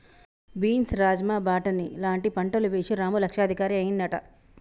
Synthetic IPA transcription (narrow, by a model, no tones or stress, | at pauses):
biːnsɾaːd͡ʒmaːbaːʈɐnilaːɳʈipɐɳʈɐluʋeːʂiɾaːmulɐkʂaːd̪ʱikaːɾiɐjinːɐʈɐ̰